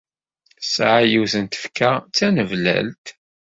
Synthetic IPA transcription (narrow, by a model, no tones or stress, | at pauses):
sʕajiθənt̪ə̥fkat͡sːænəvlæ̰lt̪